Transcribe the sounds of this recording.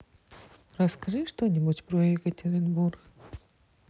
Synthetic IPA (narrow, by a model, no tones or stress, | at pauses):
rɐskɐʐɨʂt̪onʲɪbutʲpɾojjɪkətʲɪɾʲɪnburx